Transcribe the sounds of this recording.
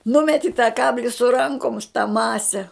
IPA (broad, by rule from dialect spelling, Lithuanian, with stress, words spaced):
ˈnʊmʲɛtʲɪ tɐ ˈkɑːbʲlʲɪ sʊ ˈrɐŋkʊms tɐ ˈmɑːsʲɛ